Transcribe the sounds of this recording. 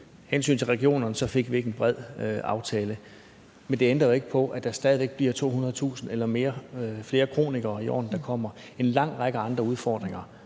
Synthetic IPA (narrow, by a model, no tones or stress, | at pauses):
hensy̰ːnt͡sʰe̝lʁɛɡ̥io̝̰ːnɐnəsɒ̽fe̝ɡ̥ʋie̝ɡ̥enb̥ʁɛð̞̰ˠɑ̈ʊt͡sʰɛːlə | mend̥e̝end̥ɐð̩ˠe̝ɡ̥əpʰɒ̽ʔæd̥ɑ̈sd̥ɛːð̞ˠʋe̝ɡ̥̚b̥liɐt͡sʰo̝̰ːhunɐð̩ˠt͡sʰṵːsn̩elɐme̝ːɐfle̝ːɐkʰʁo̝̰ːniɡ̥ɐːiɒ̰ːnd̥ɑ̈kʰɒ̽m̰ɐ | e̝nlɑ̈ŋ̰ʁɑ̈ɡ̥əɑ̈nd̥ʁɐuð̞ˠfɒːd̥ʁeŋɐ